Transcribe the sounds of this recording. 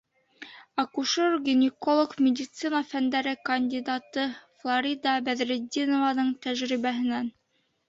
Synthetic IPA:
ɑkuʃoɾɡʲɪnʲɪkolˠokmʲɪd̪ʲit̪sɨnɑfænd̪æɾɘkɐnʲd̪ʲid̪at̪ɤflˠaɾʲid̪ɑbæðɾɘd̪ʲinovɑnɤɴt̪æʒɾiβæɦɘ̆næn

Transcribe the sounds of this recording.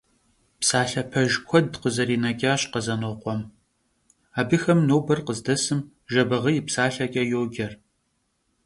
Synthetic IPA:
psaːɬɐpʰɐʒkʷʰɔdqəzɐɾiːnɐɡʲʼaːɕqəzɐnoqʷɔm | aːbɨxɐmnoːbɐrqəzdɐsɨm | ʒɐbɐʁəjɪpsaːɬɐkʲʼɐjoːɡʲɐr

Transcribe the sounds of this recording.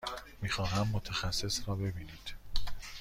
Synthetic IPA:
miːxɒːɦæmːot̪ʰexæsːe̞srɒːbe̞biːniːd̪̥

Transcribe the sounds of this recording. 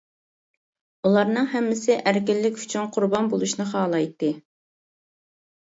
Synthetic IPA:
ulˠɑɾnɨŋɦɛmːɪsɪʔæɾkʲɪlːɪkʲy̥t͡ʃʰyŋqʰʊɾbɑnbolˠuʃnɨχɑːlˠɑjt̪ːɨ

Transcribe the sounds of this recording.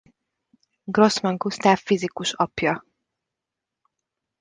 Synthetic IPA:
ɡro̞smɒŋkust̪aːfːizikuʃɒpjɒ

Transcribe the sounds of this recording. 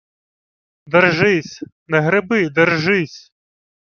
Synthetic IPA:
d̪ɛrʒɪsʲnɛɦɾɪbɪd̪ɛrʒɪsʲ

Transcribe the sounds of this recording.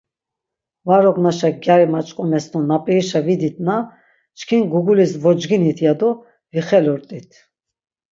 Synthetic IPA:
vaɾɔɡnaʃaɡjaɾimat͡ʃʼqʼɔnɛst̪ʰɔnapʼiiʃavid̪it̪ʰna | t͡ʃkʰinɡuɡulisvɔd͡ʒɡinit̪ʰjad̪ɔ | viχɛlɔɾt̪ʼit̪ʰ

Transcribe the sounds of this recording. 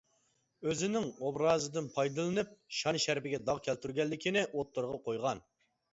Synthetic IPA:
øzɪnɪŋobɾɑːzɨd̪ɨnpʰɑjd̪ɨlˠɨnɨp̚ʃɑnʃæɾpɪɡʲɛd̪ɑʁkʲʰælt̪yɾɡʲɛlːɪkʲʰinɪʔot̪ːoɾʁɑqʰojʁɑn

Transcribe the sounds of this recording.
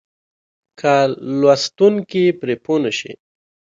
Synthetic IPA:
kʰalwast̪uŋkipɾeponəʃḭ

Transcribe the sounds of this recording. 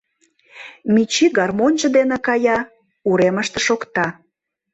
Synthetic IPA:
mʲit͡ɕiɡɑrmonʲt͡ʃə̆d̪enĕkɑjɑ | uɾeməʃt̪eʃokt̪ɑ

